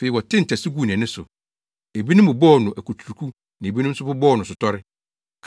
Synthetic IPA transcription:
fe˨i˨wɔ˨tʰɪ̃˦n̩˨tʰɛ˨sɪ˦ɡu˦˨ñ˨ɛ̃˨nʊ̃˦sʊ˨ | e˨bi˦nʊ̃˦m˦bʊ˨bɔː˦˨nʊ̃˨ʔæ˨kʰu˨tʰu˨ɾu˨kʰu˦ | nã˨e˨bi˦nʊ̃˦m̩˦sʊ˦bʊ˦bɔː˦˨nʊ̃˨sʊ˨tʰɔ˦ɾɪ˦ | kʰ

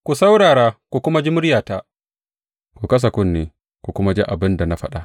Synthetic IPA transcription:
kʷu˨sa˦wɽaː˨ɽaː˦kʷu˨kʷʊ˦ma˦d͡ʒi˦mʊ˦ɾjaː˨ta˦ | ku˨kɐ˦s̬a˨kʊ˦nːeː˨ | kʷu˨kʷʊ˦ma˦d͡ʒḭ˦ʔa˨bɪ˦nda˨na˦ɸɐ˦ɗa˦

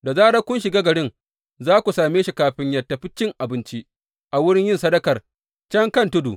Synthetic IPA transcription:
da˨zaː˦ɽa˦kʷʊ˦nʃɪ˨ɡaː˦ɡɐ˨ɽɪ˦ŋ | zaː˦kʷu˨saː˨meː˦ʃi˨kaː˨ɸɪ˦ɲjɐ˨tːa˨ɸɪ˦t͡ʃːɪ˦ŋʔa˨bɪ˦nt͡ʃi˦ʔ | ʔa˨wʊ˦ɽɪ˦ɲjɪ˦nsɐ˦dɐ˦kɐ˨r | t͡ʃɐ˦ŋkɐ˦ntʊ˦dṵ˨

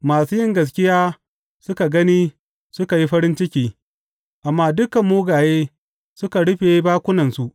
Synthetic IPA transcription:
maː˨suː˦jɪ˦ŋɡɐ˨s̬kʲɪ˦jaː˦ | sʊ˦ka˨ɡɐ˦niː˦ | sʊ˦ka˨ji˦ɸɐ˦ɾɪ˦nt͡ʃɪ˦kʲiː˦ | ʔa˨mːaː˦dʊ˦kɐ˨mːuː˦ɡaː˨jeː˦ | sʊ˦ka˨ɽʊ˦ɸeː˨˦baː˦kʷʊ˦nɐ˨nsu˨ʔ

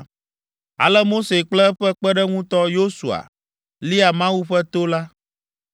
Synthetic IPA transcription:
a̰˨lɛ˦mo˦se˨k͡plɛ˦ɸɛ˦k͡pɛ˦ɖɛ˦ŋũ˦t̪ɔ˦jo˦su˨a̰˨ | li˦a˨mã˦wu˦ɸɛ˦t̪o˦la˦

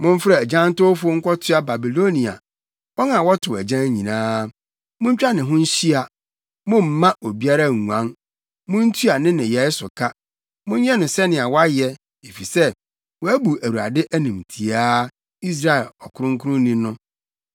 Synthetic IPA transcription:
mʊ̃˦m˦fɾɛ˨d͡ʑã˦n˦tʊ˦fʊ˦ŋ̩˦kʷɔ˦tʰɪ˦a˨ba˨bi˨lo˦nĩ˨a̰˨ | wɔ˦nã˨wɔ˦tʰʊ˨æ˨d͡ʑã˦ɲĩ˨nãː˦ | mʊ̃˦ɲ̩˦t͡ɕᶣa˦nɪ̃˨ɦʊ̃˦ɲ̩˦ɕi˦a˨ | mʊ̃˦m̩˨˦mã˦ʔo˨bi˦a˦ɾa˦˨ŋũ˨ã˦n | mʊ̃˦n̩˦tʰu˦a˨nɪ̃˦nɪ̃˨jɛ˨˦sʊ˨kʰa˦ | mʊ̃˦ɲ˦ɲɛ̃˦nʊ̃˨sɛ˦nɪ̃˨a˨wa˦jɛ˦ | e˨fi˨sɛ˦ | wɔ˨æ˦bu˨æ˨wu˨ɾa̰˨dɪ˦ʔæ˦nĩ˨mtʰi˨aː˦ | i˦s̬ɾa˦ɛ˨lɔ˨kʰʊ˦ɾʊ̃˦ŋ˦kʰʊ˦ɾʊ̃˦nĩ˦nʊ̃˦

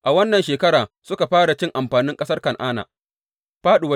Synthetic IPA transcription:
ʔa˨wɐ˦nːɐ˨nʃeː˨kɐ˦ɽaː˨sʊ˦ka˨ɸaː˦ɽa˨t͡ʃɪ˦ŋʔa˨mɸaː˨nɪ˦ŋkʼɐ˦sɐ˦rkɐ˨ŋʔaː˦na̰ː˨ | ɸaː˦ɗʊ˨wɐ˦

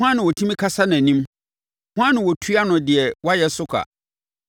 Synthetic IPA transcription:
hã˦nɪ̃˨wɔ˨tʰĩ˦mĩ˦kʰa˦sa˦nã˨nĩ˦m | hʊ̃˦ã˦ñ˨wɔ˨tʰɥa˦nʊ̃˨dɪ˨ɛ˨wɔ˦a˦jɛ˦sʊ˦kʰa̰˨

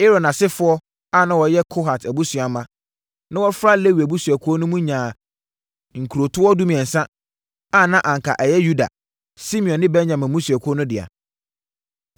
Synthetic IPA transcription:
e˦ɾɔ˨nã˨sɪ˦fʊ˦ɔ˦ | a˦˨nã˦wɔ˨jɛ˦kʰo˦ɦa˨tʰæ˨bu˦su˨a˨mã˦ | nã˦wɔ˦fɾa˦le˦wi˨æ˨bu˦su˨æ˨kʰʊ˦ɔ˦nʊ̃˦mũ˦ɲã˨ | ŋ̩˨kʰu˨ɾo˨tʰʊ˦ɔ˦du˦mĩ˨ɛ̃˨n̩˨sã˦ | a˦˨nã˦ʔã˨ŋ˨kʰa˨ʔɛ˨jɛ˦ju˦da̰˨ | si˦mĩ˨ɔ̃˨nːɪ̃˦bɛ˦nɲã˨mɛ̃˨mũ˦su˨æ˨kʰʊ˦ɔ˦nʊ̃˦dɪ˨a̰˨

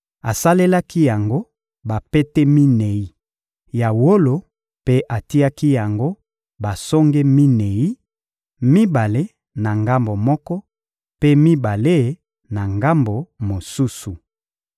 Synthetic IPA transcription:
a˨sa˦le˦la˦ki˦ja˨ŋɡo˦ | ba˨pe˦te˦mi˦ne˨i˦ | ja˨wo˦lo˨ | pe˦ʔa˨ti˦a˦ki˦ja˨ŋɡo˦ | ba˨sɔ˦ŋɡe˦mi˦ne˨i˦ | mi˦ba˨le˦ | na˨ŋɡa˦mbo˨mɔ˦kɔ˦ | pe˦mi˦ba˨le˦˨ | na˨ŋɡa˦mbo˨mo˨su˦su˨

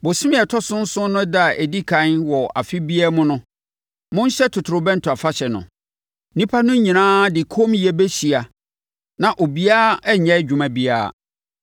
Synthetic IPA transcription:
bʊ˨sɪ˦mɪ̃˦ɛ˨tʰɔ˦sʊ̃˦n̩˦sʊ̃˦nʊ̃˦da˦˨ʔɛ˨di˦kʰã˦nwɔ˨a̰˨fɪ˦bi˦a˦mʊ̃˦nʊ̃˦ | mʊ̃˦n˦ɕɛ˦tʰʊ˨tʰʊ˨ɾʊ˨bɛ̃˦n̩˨tʰʊ˨a˨fa˦ɕɛ˨nʊ̰̃˨˦ | nĩ˦pʰa˦nʊ̃˦ɲĩ˨nãː˦dɪ˨kʰo˦mjɛ˦bɛ˦ɕi˨a˨ | nã˨ʔo˨bi˦aː˦ɛ˦ɲɛ̃˦d͡ʑᶣʊ˨mã˨bi˦a̰ː˦˨

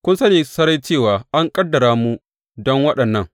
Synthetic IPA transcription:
kʷʊ˦nsɐ˦neː˨sɐ˦ɾa˦jt͡ʃeː˦˨waː˨ʔa˦ŋkʼɐ˦dːɐ˨ɾaː˦mu˦ | dɔ˦ŋwɐ˦ɗɐ˨nːɐ˦˨ŋ

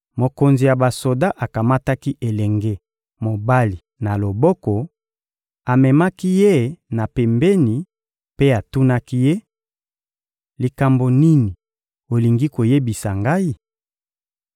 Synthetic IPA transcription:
mo˨ko˨nzi˨ja˨ba˨so˨da˦ʔa˨ka˨ma˦ta˦ki˦ʔe˨lɛ˨ŋɡe˦ | mo˨ba˦li˨ | na˨lo˨bɔ˦kɔ˨ | a˨mɛ˨ma˦ki˦je˦na˨pɛ˨mbe˦ni˨ | pe˦a˨tu˦na˦ki˦je˦ | li˨ka˨mbo˨ni˦ni˨ | o˨li˨ŋɡi˦ko˨je˦bi˨sa˨ŋɡa˦i˦

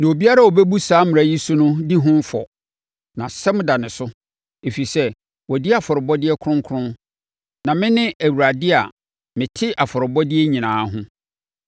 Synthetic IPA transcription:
nã˨o˨bi˦a˦ɾa˦˨ɔ˨bɛ˦bu˦saː˨˦mɪ̃˨a˨ji˦sʊ˦nʊ̃˦di˦ɦʊ̃˦m̩˦fɔ̰˨ | nã˨sɛ˦m̃˦da˨nɪ̃˨sʊ˦ | e˨fi˨sɛ˦ | wɔ˨di˦a˨fɔ˨ɾɪ˨bɔ˦dɪ˦ɛ˦kʰɾʊ̃˦ŋ˦kʰʊ˦ɾʊ̃˦n | nã˨mɪ̃˦nɪ̃˦ʔæ˨wu˨ɾa˨dɪ˦a̰˨ | mɪ̃˨tʰɪ˦ʔa˨fɔ˨ɾɪ˨bɔ˦dɪ˦ɛ˦ɲĩ˨nãː˨˦ɦʊ̃˦

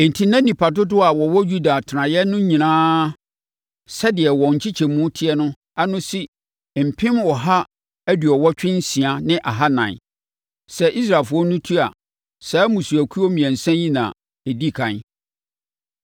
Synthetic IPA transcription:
n̩˨tʰi˦nã˦nĩ˨pʰa˨tʊ˦dʊ˦a˨wɔ˨wɔ˦ju˦da˨tʰɪ˨nã˨jɛ˦nʊ̃˦ɲĩ˨nãː˦ | sɛ˦dɪ˨ɛ˨wɔ̃˨ɲ̩˨t͡ɕʰi˦t͡ɕʰɛ˨mũ˦tʰɪ˦ɛ˦nʊ̃˦ | a˦nʊ̃˦si˦ | m̩˨pʰɪ̃˦mwɔ˨ɦa˦ | æ˦dɥɔ˨wɔ˦t͡ɕᶣɪ̃˦n̩˦sĩ˨a˨nɪ̃˦ʔa˨ɦa˦nã̰˨n˨ | sɛ˦˨ʔi˦s̬ɾa˨lfʊ˦ɔ˦nʊ̃˦tʰu˦a̰˨ | saː˨˦mũ˨su˨æ˨kʷʰu˦ɔ˦mĩ˨æ̃˨n̩˨sɛ̃˦jĩ˦nã̰˨ | e˨di˦˨kʰã˨n˦

